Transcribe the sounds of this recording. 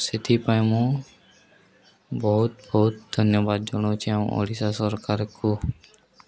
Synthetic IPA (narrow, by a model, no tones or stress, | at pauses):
sit̪ʰipajmũ | bɔɦʊt̪̚bɔɦʊt̪̚d̪ʱənjəbad̪̚d͡ʒɔɽ̃õt͡ʃʰiam̰o̰ɽisasɔɾkaɾku